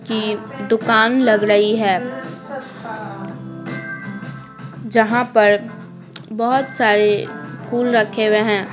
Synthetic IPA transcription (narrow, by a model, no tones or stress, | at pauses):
kid̪ʊkaːnlɐɡɾɐɦiɦɛː | d͡ʒɐɦãpɐɾ | bɔɦʊt̪saːɾepʰuːlɾɐkʰewẽɦɛ̃ː